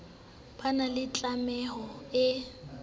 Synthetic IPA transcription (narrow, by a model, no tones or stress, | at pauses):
pʰanalɪt͡ɬʼamɛhɔɪ